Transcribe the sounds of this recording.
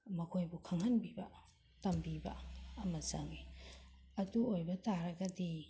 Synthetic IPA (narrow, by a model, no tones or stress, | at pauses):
mɐkʰojbukʰaŋhɐnbibɐ | tɐmbibɐ̰ɐmɐzaŋi | ɐduojbɐtaɾɐɡɐdi